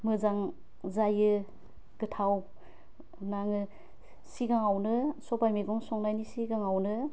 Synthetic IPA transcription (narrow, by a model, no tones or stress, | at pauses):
mɯzaŋ | zajɯ | ɡɯtʰaw | naŋɯ | siɡaŋawnɯsɔpajmiɡɔŋsɔŋnajnisiɡaŋawnɯ